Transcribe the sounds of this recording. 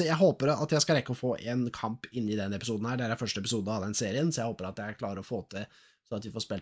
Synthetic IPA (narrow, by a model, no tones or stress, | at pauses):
jæɪɦoːpəɾɑt̪jæɪskɑlɾɛkːəɔfoːʔɛːnkʰɑmpɪnːɪd̪ɛnːɛpɪ̥suːd̪n̩hæːɖɛæɾɛnfœʂʈəɛp̬ɪsuːd̪əɔhɑd̪ɛnseːɾɪənsɔjæɪhoːpəɾɑt̪̚jææɾkʰlɑːɾəɾɔfoːt̪ʰɪ | sɔnɑt̪ʋɪfɔʂpɛl